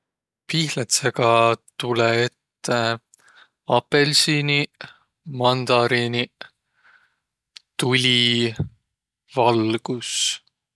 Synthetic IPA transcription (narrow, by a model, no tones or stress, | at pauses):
piːhlet̪seɡ̥ɑt̪uleet̪ːe | ɑpe̞lsini | mɑnd̪̥ɑɾini | t̪ulʲi | vɑlɡ̥us